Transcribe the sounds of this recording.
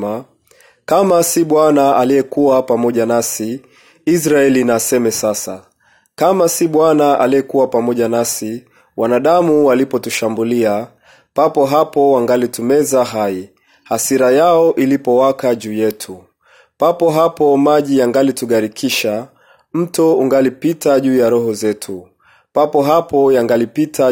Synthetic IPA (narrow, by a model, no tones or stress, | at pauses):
a | kamasiɓwanaalijɛkuwapamɔʄanasi | is̬ɾaɛlinasɛmɛsasa | kamasiɓwanaʔaliɛkuwapamɔʄanasi | wanaɗamuwalipɔtuʃambulia | papɔɦapɔwaŋɡalitumɛzaɦai | hasiɾajaɔʔilipɔwakaʄuːjɛtʰu | papɔɦapɔmaʄijaŋɡalituɠaɾikʰiʃa | m̩tɔuŋɡalipitaʄuːjaɾɔɦɔzɛtʰu | papɔɦapɔjaŋɡalipitʰa